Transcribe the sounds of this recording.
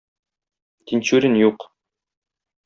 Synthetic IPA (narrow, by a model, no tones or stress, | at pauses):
t̪inɕʉɾʲɘnjuq